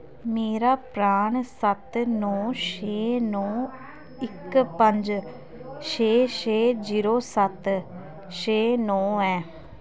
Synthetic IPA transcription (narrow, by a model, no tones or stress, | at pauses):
meːɾaːpɾaːɳsət̪nɔːʃeːnɔː | ɪkpəɲd͡ʒ | ʃeːʃeːd͡ʒiːɾoːsət̪ | ʃeːnɔːɛː